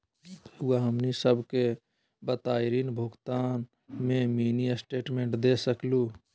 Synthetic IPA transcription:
uaɦəmnisəbke | bət̪aːjɾiːnbʱoːɡt̪aːn | mẽmiːnisʈeːʈmẽːɳʈd̪eːsəkluː

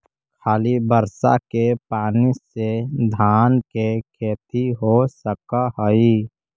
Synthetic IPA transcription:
kʰaːlibəɾsa̰kepaːnised̪ʱaːnkekʰeːt̪iɦosəkaɦəi

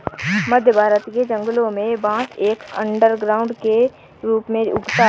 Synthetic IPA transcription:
məd̪ʱjəbʱaːɾət̪ked͡ʒə̃ŋɡlõmẽbãːt͡ʃeːkə̰̃ɳɖəɾɡɾaːʊ̃ɳɖke | ɾuːpmẽʊ̰ɡt̪a

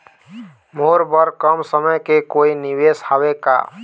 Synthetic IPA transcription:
moɾbəɾkəmsəməjkekoiniweshaweka̰

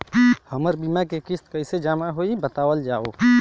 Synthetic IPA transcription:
həməɾbiːmakekɪst̪kəɪsed͡ʒaːmaɦoːibət̪aːwəld͡ʒaːo̰ː

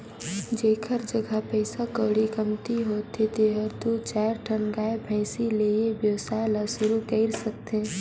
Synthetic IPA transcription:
d͡ʒeːkʰəɾd͡ʒəɡʱapɛɪsakoːɽikəmt̪iɦoːt̪et̪eɦəɾt̪ut͡ʃaːɾʈʰənɡaːebʱɛ̃ɪsileːebjəwsaːjlasʊɾukəɪɾsək̚t̪eɦɛ̃

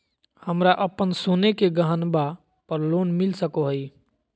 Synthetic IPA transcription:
həmɾaʔəpənsoːnekeɡəɦənba | pəɾloːnmɪlsəkoɦəiː

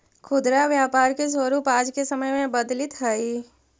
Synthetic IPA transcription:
kʰʊd̪ɾaʋjaːpaːɾkes̬əɾuːpaːd͡ʒkesɐməjmẽbɐd̪lɪt̪ɦəi

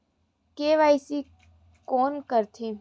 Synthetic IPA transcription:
keːʋaisi | koːnkəɾt̪ʰĩ

